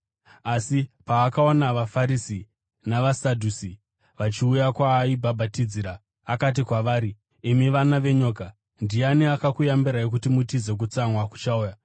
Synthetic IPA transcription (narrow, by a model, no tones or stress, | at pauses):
asipaːkaonaʋafaɾisi | naʋasadʱusi | ʋat͡ʃiujakwaibʱabʱatid͡ziːɾaː | kat̬ikwaʋaːɾi | imiʋanaʋe̞ɲo̞ːka | ndianiakakujambiɾaek̬utimutid͡ze̞k̬ut͡samwaku̥t͡ʃauːja